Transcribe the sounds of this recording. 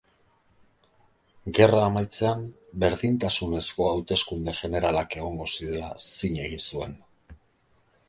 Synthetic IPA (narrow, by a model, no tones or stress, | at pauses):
ɡe̞raːmajt͡se̞am | be̞ɾðint̪asune̞sko̞awt̪e̞skund̪e̞ʝe̞ne̞ɾalake̞ɣ̞o̞ŋɡo̞siɾe̞lasiɲe̞ɣisue̞n